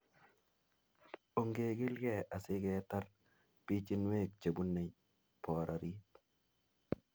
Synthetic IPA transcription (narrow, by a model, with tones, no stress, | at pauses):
o˨ŋɡe˨ɡɪ˦lɡɛ˦˨a˨sɪ˦ɡɛ˦ta˦r | pi˦t͡ʃi˦nwe˦˨k̚t͡ʃa˨bu˦nːe˨ɲ | pɔ˨ɾʔa˨ɾi˦